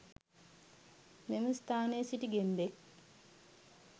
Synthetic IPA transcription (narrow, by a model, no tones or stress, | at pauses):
meməst̪aːneːsiʈiɡembek̚